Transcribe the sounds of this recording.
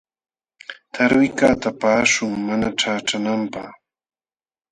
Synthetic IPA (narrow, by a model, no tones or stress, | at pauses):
t̪ʰaɾwɪkaːt̪apaːʃʊŋmanaʈ͡ʂaːʈ͡ʂanampaχ